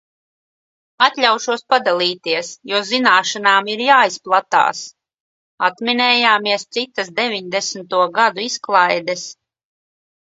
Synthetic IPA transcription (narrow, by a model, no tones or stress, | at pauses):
at̪ʎʲawʃuɔspad̪alʲˠiːt̪iɛsjuɔzinaːʃanaːmiɾjaːisplˠat̪a̰ːs | at̪minɛːjaːmiɛst̪sit̪asd̪evʲiɲd̪ɛsnt̪uɔɡad̪uisklˠajd̪ɛs